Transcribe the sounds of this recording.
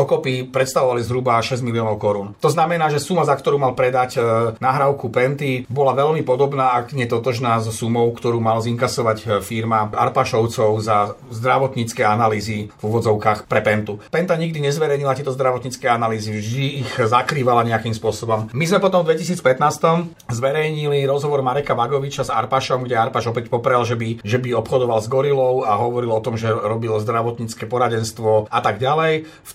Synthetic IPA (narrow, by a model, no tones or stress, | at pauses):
ɔkɔpipɾɛt̪st̪aʋɔʋalizɦɾubaʃɛzmiliɔːnɔʊkɔɾuːnt̪ɔznamɛnaːʒɛsumazakt̪ɔɾuːmalpɾɛd̪acnaɦɾaʊkupɛnt̪ibɔlaʋɛlmipɔd̪ɔbnaːakɲɪɛt̪ɔt̪ɔʒnaːzɔsumɔʊkt̪ɔɾuːmalziŋkasɔʋacfiɾmaʔa̰ɾpaʃɔʊt͡sɔʊzazd̪ɾaʋɔt̪ɲit͡skɛanaliːzivuʋɔd͡zɔʊkaːxpɾɛpɛnt̪upɛnt̪aɲiɡd̪iɲɛzʋɛɾɛjɲilat̪ɪɛt̪ɔzd̪ɾaʋɔt̪ɲiːt͡skɛjanaliːziʒd̪iːxzakɾiːʋalaɲɛakimspʊɔsɔbɔmmizmɛpɔt̪ɔmvd̪ʋɛcis̬iːt͡spɛt̪naːst̪ɔm | zʋɛɾɛjɲiliɾɔzɦɔʋɔɾmaɾɛkaʋaɡɔʋit͡ʃaza̰ɾpaʃɔmɡɟɛaɾpaʒɔpɛcpɔpɾɛlʒɛbiʒɛbiɔpxɔd̪ɔʋalzɡɔɾilɔʊaɦɔʋɔɾilɔt̪ɔmʒɛɾɔbilzd̪ɾaʋɔt̪ɲiːt͡skɛpɔɾaɟɛnst̪ʋɔat̪aɡɟalɛj | f